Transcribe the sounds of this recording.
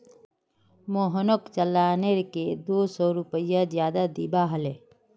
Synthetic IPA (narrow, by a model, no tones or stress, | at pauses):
moɦnokt͡ʃəlːaːneɾked̪oːsɔːɾʊpəjazjaːd̪ad̪ibaɦəle